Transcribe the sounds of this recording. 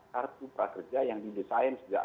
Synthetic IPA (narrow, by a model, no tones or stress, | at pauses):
kart̪upɾakərd͡ʒajaŋdidisaənsəd͡ʒa̰